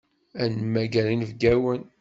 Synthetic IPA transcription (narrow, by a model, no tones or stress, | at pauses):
ænmæɡæɾinvɡæwən